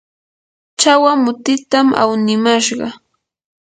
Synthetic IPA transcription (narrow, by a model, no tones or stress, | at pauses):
t͡ʃawamʊt̪ɪt̪amʔa̰wnɪmaʃɢɑ